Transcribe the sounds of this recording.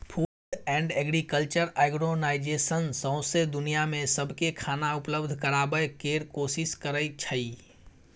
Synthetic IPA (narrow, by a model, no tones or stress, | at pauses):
pʰuː | ɖɛ̃ːɳɖɛːɡɾikəlt͡ʃəɾaːɡɾonaːɪd͡ʒeːsənsə̃ʊ̃sed̪ʊnijamẽsəbʱkekʰaːnaʊpləbd̪ʱkəɾaːbəjkeːɾkoːsɪskəɾəit͡ʃʰəi